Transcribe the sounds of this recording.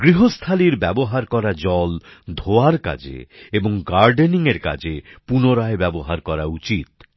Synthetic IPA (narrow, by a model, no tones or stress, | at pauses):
ɡɾiɦost̪ʰaliɾbɛboɦaɾkɔɾad͡ʑɔld̪ʱoaɾka̰d͡ʑḛeboŋɡaɾɖeniŋeɾka̰d͡ʑepunoɾaebɛboɦaɾkɔɾaut͡ɕit̪